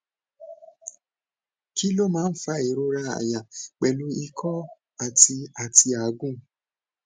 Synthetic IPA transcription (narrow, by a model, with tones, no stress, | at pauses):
ki˦lo˦mãː˦n̩˦fa˦e˨ɾo˦ɾa˦a̰˨ja˨k͡pɛ˨lu˧i˧kʰɔ˦ | a˨ti˧a˨ti˧a˨ɡũ˦